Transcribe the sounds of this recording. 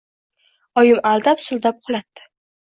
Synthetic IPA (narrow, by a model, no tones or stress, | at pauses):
ɒjɪmalˠd̪apsʊlˠd̪ap̚qʰʊlˠat̪ːɪ̥